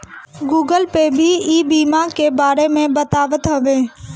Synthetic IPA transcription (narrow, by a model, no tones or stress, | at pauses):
ɡuːɡəlpebʱiiːbiːmakebaːɾemẽbət̪aːʋət̪ɦɐʋẽː